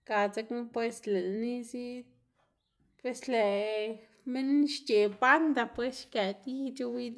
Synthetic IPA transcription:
ka˨t͡se˧kne˦pwe˧sle˨ni˦si˦ | pwe˧sle˨ | me˦nʃt͡ʃe˨pa˦nd̪a˧pwe˦sʃka˨t̪i˦t͡ʃu˦wi˦d̪

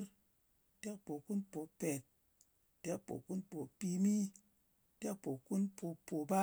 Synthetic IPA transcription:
ɾ | te˦k̚po˨ku˦npo˨pe˨t̚ | te˦k̚po̰˨ku˦npo˨pi˧mi˦ | te˦k̚po˨ku˦npʰo˧po˨ba˦

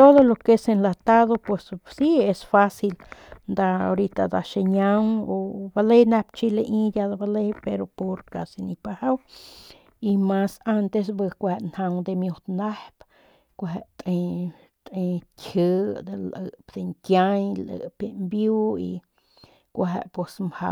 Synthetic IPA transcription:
t̪o˦ðo˧lo˧ke˧se˧nlat̪a˦ðo˧pe˨ssie˧sfa˦si˧lnd̪a˧o˧ɾit̪ad̪a˧ʃe˧ɲa˦woba˧le˦jna˧p̚t͡ʃi˦le˧ʔĩ˦ja˧d̪a˧ba˧le˧jpeɾo˧po˧ɾka˨si˧ni˧paha˦w | i˧ma˧sa˧nt̪e˧s̬bɨ˧kʷahe˧ʔnha˧ŋd̪e˧mju˧t̪na˦hp | kʷaɦe˧ʔt̪ʼe˧ | t̪ʼe˧kʲʰə˧d̪e˧lʔə˧ʔpd̪e˧ŋkja˦ɲlə̰˨pe˧mbju˦ḭ˧ | kʷaɦḛ˧ʔpwe˨smha̰˧

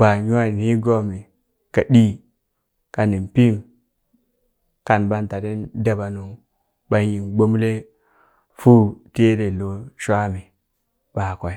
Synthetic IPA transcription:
ba˨ɲu˦a˦˨ni˦ɡo˦mi˨ | ka˨ɗi˦ | ka˨ni˨mpi˦m | ka˨nba˦nta˨ɾe˦nda˨ba˨nu˨ | ba˨˦ji˨nɡ͡bo˦m˦le˦ | fu˦te˦ɾe˨lo˨ʃʷa˦mi˨ | ba˨ka˨i˨˦

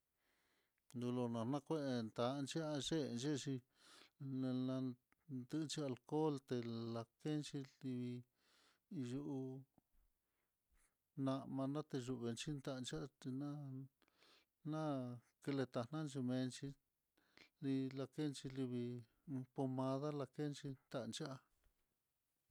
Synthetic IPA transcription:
nd̪u˧lo˧nã˨nã˦˧kʷe˦ʔe˧nt̪a˨˦˧nt͡ʃi˦a˧ʒe˦˧nt͡ʃe˦˧ʃi˧ | nã˧ | nd̪ɨ˧nt͡ʃi˧a˧lko˦lt̪e˧la˧ke˦nt͡ʃi˧li˧βi˧ | ju˧ʔu˧ | nã˧ʔmã˧nã˦t̪e˧ʒu˧βe˧nt͡ʃi˦nd̪a˧nt͡ʃa˦˧ti˧nã˦ | nã˦ | ke˧le˧t̪a˧nã˦˧nt͡ʃi˧mẽ˧nt͡ʃi˧ | li˧la˧ke˦˧nt͡ʃi˧li˧βi˧ | po˧mã˧ða˦la˧ke˦nt͡ʃi˧nt̪a˧nt͡ʃa˦a˧

